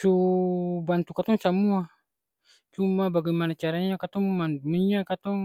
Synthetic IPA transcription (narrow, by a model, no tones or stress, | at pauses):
su | bant̪ukat̪ɔŋsamua | t͡ʃumabaɡɛmanat͡ʃaɾaɲakat̪ɔŋmanmiɲakat̪ɔŋ